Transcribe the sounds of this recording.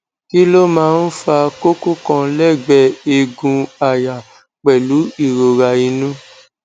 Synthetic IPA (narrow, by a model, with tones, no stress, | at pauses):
ki˦lo˦mãː˦˧n̩˦fa˧ko˦ko˦kɔ̃˧lɛ˦˨ɡ͡bɛ˨e˧ɡũ˧a˨ja˨ | k͡pɛ˨lu˨˦i˦˨ɾo˨ɾa˧i˧nũ˦